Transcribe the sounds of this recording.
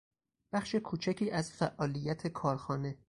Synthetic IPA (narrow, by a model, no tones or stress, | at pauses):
b̥æχʃekʰuːt͡ʃʰæcʰiːʔæzfæʔɒːlijːæt̪ʰe̞kʰɒːɾxɒːne̞